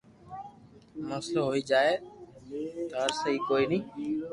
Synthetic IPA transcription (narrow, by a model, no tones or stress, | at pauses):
məsloːɦoːiːd͡ʒaːeː | t̪əɦəɾsəɦiːkoːiːnĩː